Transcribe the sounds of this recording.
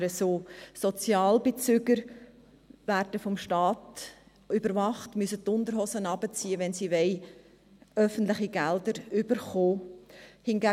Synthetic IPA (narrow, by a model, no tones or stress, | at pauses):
ɾəsoːsɔt͡sjɑːlbet͡syɡəɾ | væɾdəfɔmʃtɑːt | ybəɾvɑχtmysətːʊndəɾɦɔsənɑbət͡siːəʋɛnsiʋɛɪ | œfən̩tlɪχiɡɛldəɾyb̥əɾχoːhɪnɡæ